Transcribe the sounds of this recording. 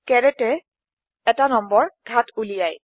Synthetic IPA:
kɛɹɛtɛ | ɛtanɔmbɔɹɡʱatulijaj

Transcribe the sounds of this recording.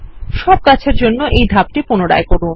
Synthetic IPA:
ʃɔb̚kat͡ɕʰeɾd͡ʑonːoʔejd̪ʱap̚ʈipunoɽa̰ekoɾu

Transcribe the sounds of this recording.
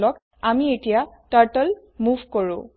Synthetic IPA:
lɔk | amietijaʈaɹʈəl | muvkoɹʊ̃

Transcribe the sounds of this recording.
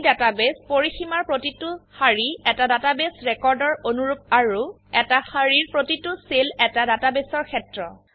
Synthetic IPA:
databespoɹiximaɹpɹotitʊhaɹiɛtadatabesɹɛkɔɹdɔɹonuɹup̚aɹu | ɛtaxaɹiɹpɹotitʊselɛtadatabesɔɹkʰɛtɹɔ

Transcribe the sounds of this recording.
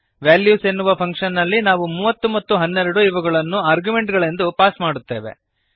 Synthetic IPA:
ʋaːljuːsenːuʋɐpʰɐŋkʂɐnːɐlːinaːʋumuːʋɐt̪ːumɐt̪ːuɦɐnːɛɾɐɽuiʋɐɡɐɭɐnːuaːɾɡjume̞ɳʈɡɐɭe̞nd̪upaːsmaːɽut̪ːe̞̰ːʋḛ

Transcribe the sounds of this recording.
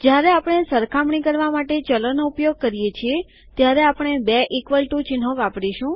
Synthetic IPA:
d͡ʒjaɾeapɽ̃esəɾkʰamɳikəɾʋamaʈet͡ʃələnoupjoɡ̚kəɾijet͡ʃʰie | t̪jaɾeapɳ̃ebeʔikʋəlʈũt͡ʃɪnɦõʋapɽiʃũ

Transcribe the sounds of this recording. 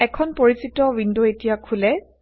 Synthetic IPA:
ɛkʰɔnpoɹisitɔwinduetijakʰulɛ

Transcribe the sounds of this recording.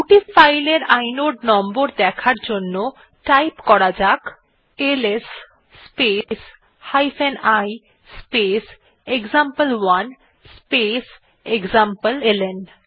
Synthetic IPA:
kuʈifajleɾajnoɖnɔmboɾd̪ɛkʰaɾd͡ʑonːo | ʈajpkɔɾad͡ʑak | elesː | pes | hajfenaj | spes | eɡzampəlwan | spes | eɡzampəlelenɖ

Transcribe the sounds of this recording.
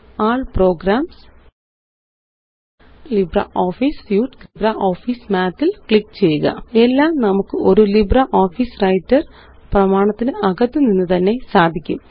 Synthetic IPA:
aːɭpro̞ːɡɾaːms | librɐ̰ʔoːfiːsfjuːʈklibrɐʔoːfiːsmaːt̪ːilkɭikːt͡ɕe̞jːuɣɐ̰e̞lːaːmnɐmukːɨʔo̞ɾulibrɐʔo̞ːfiːsrɐjtːɐr | prɐmaːɳɐt̪ːinɨʔɐɣɐt̪ːɨninːɨt̪ɐnːe̞saːd̪ʱikʲːum

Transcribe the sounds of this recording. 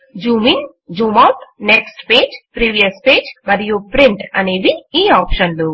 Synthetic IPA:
d͡ʒuːmin | d͡ʒuːmaːpneksʈpeːd͡ʒpɾiːʋijɐspeːd͡ʒmɐɾijopɾiɳʈɐ̰neːʋiːaːpʃɐnlu

